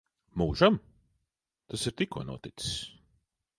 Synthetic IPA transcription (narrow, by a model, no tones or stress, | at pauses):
muːʒam | t̪asiɾt̪ikuɔnṵɔt̪it̪si̥sʲ